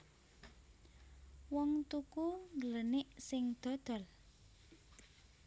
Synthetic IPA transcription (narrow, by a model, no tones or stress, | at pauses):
wɔŋt̪ukuŋɡələnɪʔsɪŋd̪̥ɔ̤d̪̥ɔ̤l